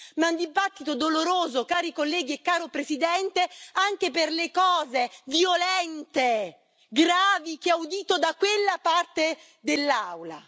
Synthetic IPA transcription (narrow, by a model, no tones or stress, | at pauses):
maund̪ibat̪ːit̪od̪oloɾoːzokaːɾikolːɛːɡiekːaːɾopɾezid̪ɛnt̪eaŋk̟eperlekɔːzeviolɛnt̪e | ɡɾaːvik̟eaud̪iːt̪od̪akwelːapart̪e | d̪elːawla̰